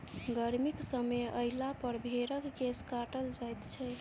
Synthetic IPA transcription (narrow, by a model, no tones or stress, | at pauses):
ɡəɾmiksəmeəjlapəɾbʱeɾəkkeskaʈəld͡ʒajt̪t͡ʃʰɛ